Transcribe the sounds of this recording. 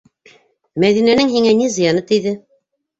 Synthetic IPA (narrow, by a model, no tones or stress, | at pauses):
mæðinænɘŋɦiŋænizɤ̆jɑnɤt̪iðɘ